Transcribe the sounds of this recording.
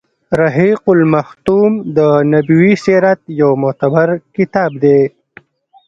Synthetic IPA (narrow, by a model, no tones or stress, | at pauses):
ɾaɦiqʊlmaht̪umd̪ənabiwiseɾat̪̚jawmʊt̪abaɾkɪt̪ɑːb̚d̪e